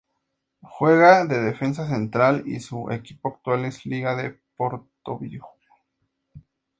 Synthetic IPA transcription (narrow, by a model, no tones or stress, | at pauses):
xwe̞ɣaðe̞ðefe̞ns̬as̬e̞nt̪ɾalḭsuʔḛkipoak̚t̪walesliɣaðepoɾt̪oβix